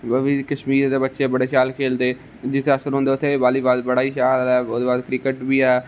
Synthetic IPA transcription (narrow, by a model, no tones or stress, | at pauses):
əbiːkəʃmiːɾd̪eːbətːʃeːbəɽeːʃaːlkʰeːld̪eː | d͡ʒɪseəsəɾɦõnd̪eːʊt̪ʰːeːbaːliːbaːd̪bəɽaːiːʃaːlɛːoːd̪eːbaːd̪kɾɪkəʈbiːɛː